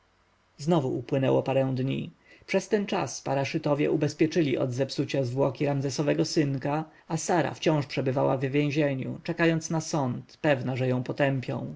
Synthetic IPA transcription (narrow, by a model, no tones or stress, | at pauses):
znɔvuupwɘnɛwɔpaɾɛ̃w̃d̪ɲḭ | pʂɛst̪ɛnt͡ʂa̰spaɾaʂɘt̪ɔvʲjɛ̰ʔubɛspʲjɛt͡ʂɘlʲiʔɔ̰d̪zɛpsut͡ɕazvwɔkʲiɾamzɛsɔvɛɡɔsɘŋka | asaɾa̰ft͡ɕɔ̃w̃ʂpʂɛbɘvawa̰vvʲjɛ̃ʑeɲṵt͡ʂɛkajɔnt̪snasɔnt̪pɛvnaʐɛjɔ̃w̃pɔt̪ɛmpʲjɔ̰̃w̃